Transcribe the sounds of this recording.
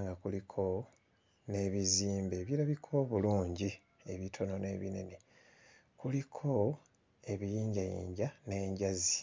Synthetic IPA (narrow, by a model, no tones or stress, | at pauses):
ŋɡakulikʰo̞ | ne̞βiziːmbe̞ːβjiɾaβikʰo̞βuluːɲɟi | e̞βitʰo̞no̞ne̞ːβḭne̞̰ne | kulikʰo̞ | e̞βijiːɲɟajḭːɲɟane̞ːɲɟazi